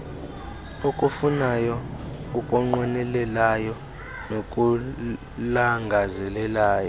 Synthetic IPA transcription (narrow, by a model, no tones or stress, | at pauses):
okʼufunajɔ | ukʼɔŋ͡ǃɔnɛlɛlajɔ | nokʼu | laŋɡʱazɛlɛlaːjɔ